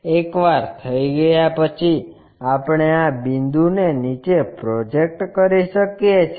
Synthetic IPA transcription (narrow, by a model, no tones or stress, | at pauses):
ekʋaɾt̪ʰəiɡəjapət͡ʃʰi | apɽ̃eabind̪unenit͡ʃepɾod͡ʒek̚ʈkəɾiʃəkjet͡ʃʰ